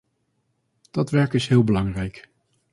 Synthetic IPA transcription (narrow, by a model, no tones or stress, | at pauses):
d̥ɑtʋɛɹkɪsɦɪːlˠbəlɑŋrɛjk